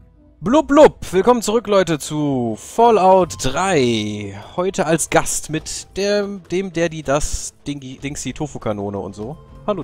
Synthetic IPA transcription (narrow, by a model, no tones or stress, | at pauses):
blublʊpv̥ɪlkɔmənt͡suʁʏklɔʏtət͡sufɔlaʊtd̥ʁaɪhɔʏtʰəalsɡ̥astmɪtd̥eːd̥eːmdeːɐdiːdasd̥ɪŋd̥ɪŋsd̥iːtʰoːfokʰanoːnəʊ̰ntz̥oːhal